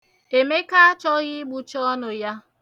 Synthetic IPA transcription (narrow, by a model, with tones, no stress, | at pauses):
e˨me˦ka˦a˦t͡ʃɔ˦ɣɪ˦ɡ͡bu˨t͡ʃɔ˦ɔ˦nʊ˨ja˦